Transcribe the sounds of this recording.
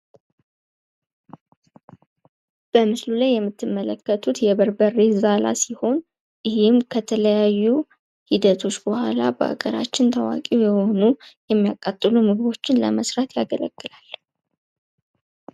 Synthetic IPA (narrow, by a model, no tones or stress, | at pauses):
b̥əmɨslulajːɛmːɨt̪ʰːɨmːələkːət̪ʰut̪jɛbəɾbərːezala̰siho̞n | jɪhɪmkʰət̪ʰələjajːu | hid̪ət̪ʰo̞t͡ʃːbəhalabəʔa̰ɡəɾa̰t͡ʃːɪnt̪ʰəwa̰kʼijɛho̞nujɛmːijakʼat̪ʼːɨlumɨɡbo̞t͡ʃːɪnlə̰məsɾat̪jaɡələ̰ɡ̥ːɨlalː